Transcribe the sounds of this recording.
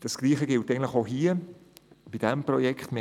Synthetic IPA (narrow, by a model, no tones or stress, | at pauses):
d̥ɑsɡ̥liːχəɡɪltɛɡntlɪχoɦiːə | b̥id̥ɛmprɔjɛkχtmɪ